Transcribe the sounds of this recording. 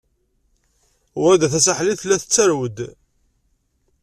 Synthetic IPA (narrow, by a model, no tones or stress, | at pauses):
wæd̪æθæs̬aħliθlæθət͡sːæɾwəd̪